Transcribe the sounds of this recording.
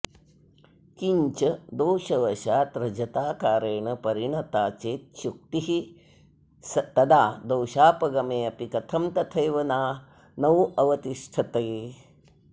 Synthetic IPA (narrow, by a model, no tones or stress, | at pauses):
kiɲt͡ʃɐd̪oːʃɐʋɐʃaːt̪ɾɐd͡ʒɐt̪aːkaːɾeːɳɐpɐɾiɳɐt̪aːt͡ʃeːt̪̚ʃuk̚t̪iɦi | sɐt̪ɐd̪aːd̪oːʃaːpɐɡɐmeːɐpikɐt̪ʰɐmt̪ɐt̪ʰɐjʋɐnaː | nɐʋʔɐʋɐt̪iʂʈʰɐt̪ɐj